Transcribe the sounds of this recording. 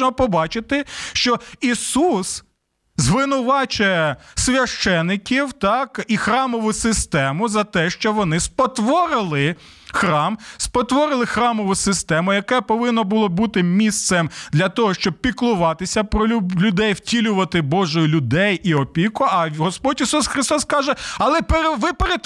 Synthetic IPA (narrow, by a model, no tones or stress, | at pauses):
nɔpɔbɑt͡ʃɪt̪ɪʃt͡ʃɔisus | zʋɪnʊʋɑt͡ʃʊjɛsʲʋʲɐʃt͡ʃɛnːɪkʲiwt̪ɑkixɾɑmɔʋʊsɪst̪ɛmʊzɐt̪ɛʃt͡ʃɔʋɔnɪspɔt̪ʋɔɾɪlˠɪ | xɾɑmspɔt̪ʋɔɾɪlˠɪxɾɑmɔʋʊsɪst̪ɛmʊjɐkɛpɔʋɪnːɔbʊlˠɔbut̪ɪmʲist̪sɛmd̪lʲɐt̪ɔɦɔʃt͡ʃɔb̚pʲiklˠʊʋɑt̪ɪsʲɐpɾɔlʲʊd̪ɛjwtʲilʲʊʋɐt̪ɪbɔʒʊjʊlʲʊd̪ɛjiɔpʲikʊɐɦɔspɔdʲisusxɾɪst̪ɔskɑʒɛɐlˠɛpeɾeʋɪpeɾe